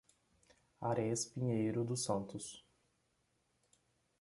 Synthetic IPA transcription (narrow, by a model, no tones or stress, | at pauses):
aɾɛspĩɲejɾʊd̪ʊsɐ̃nt̪ʊs